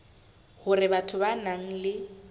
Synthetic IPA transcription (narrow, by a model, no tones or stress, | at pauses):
hʊrɪbatʰʊbanaŋ̩lɪ